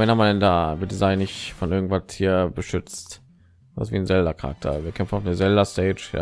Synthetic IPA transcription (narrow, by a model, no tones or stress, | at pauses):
ɛnamandɛndaːvɪɐtd̥izaɪnɪçtfɔnʔɪɐɡŋ̩tv̥athiːɐbəʃʏt͡stː | asv̥iːnzɛldɐkʰaʁa̰k̚tʰɐ̰viːɐkʰɛmfn̩aʊfnəzɛldɐstɛːt͡ʃja̰